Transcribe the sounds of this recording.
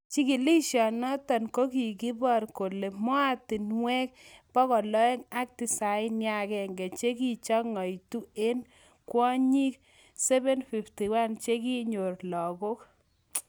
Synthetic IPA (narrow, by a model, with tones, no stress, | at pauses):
t͡ʃi˦ki˨li˦ʃjɔ˨nɔ˦tɔ˨nko˦ki˨ɡi˦bɔ˦˨ɾko˨le˨mɔ˦a˦tɪ˨nwɛ˦k̚pɔ˦kɔ˨lɔ˦ɛ˦ŋa˦k̚ti˨sa˨ɪ˦nja˦kɛ˨ŋɡɛ˨t͡ʃe˦ki˨t͡ʃɔ˦ŋɔ˨jtu˦e˦n | kwɔ˦ɲi˦k̚ | sɛ˦βɛ˦nfi˨fti˨wa˦nt͡ʃe˦ki˦ɲo˨rlɔ˨ɡo˦k